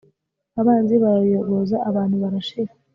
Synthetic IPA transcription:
aβaːnziβajoβozaaβaːn̥huβaɾaʃeɾ

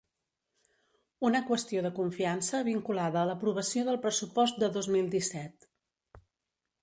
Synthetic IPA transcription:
unəkwəst̪ioðəkuɱfiansəβiŋkulaðəːləpɾuβ̞əsioðəlˠpɾəsupɔst̪̚d̪əðozmilˠd̪isɛt̪

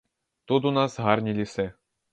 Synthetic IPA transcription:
t̪ud̪unɑsʁɑrʲnʲilʲisʲe

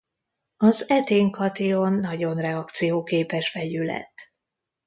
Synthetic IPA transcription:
ɒzɛt̪eːŋkɒt̪ionːɒɟo̞nrɛɒkt̪sijoːkeːpɛʃfɛjylɛ̰t̪ː

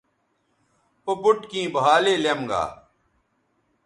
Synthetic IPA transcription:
pɐpʊʈkĩːbɐɦaːleːljemɡa̰ː

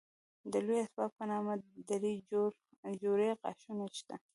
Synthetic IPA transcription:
d̪əlojasbɑt̪̚pənɑmad̪aɾi | d͡ʒoɾeqɑ̰ʃuneʃt̪a

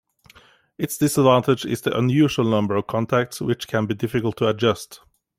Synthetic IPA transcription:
ɪtsd̥ɪsədvæ̃ntɪd͡ʒɪ̰zðiʔə̰̃njʉːʒəlˠnʌ̃mbə˞ʌv̥kʰɑ̃ntʰæk̚tswɪt͡ʃkʰə̃nbidɪfɪkəl̩ˠtʰəəd͡ʒʌst

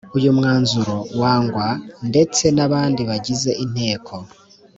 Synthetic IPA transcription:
ujumŋaːnzuɾo̞waːŋɡwande̞t͡se̞naβaːndiβaɟize̞ʔin̥he̞ːkʰo

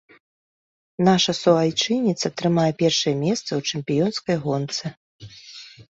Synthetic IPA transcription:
naʂɐsɔajt͡ʂɨnʲit̪sɐt̪ɾɨmajɛpʲɛrʂɐjɛmʲɛst̪sɐwt͡ʂɨmʲpʲijɔnskɐjɣɔnt̪sɨ

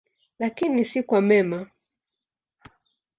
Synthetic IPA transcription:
lakinisikwamɛma

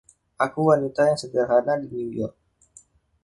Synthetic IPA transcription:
ʔakuwanit̪ajaŋsədərɦanadiniŋdiɔrk̚

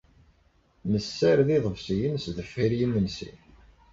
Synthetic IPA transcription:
nəsːæɾðiðˤəvsijənsðəfiɾjənːənsḭ

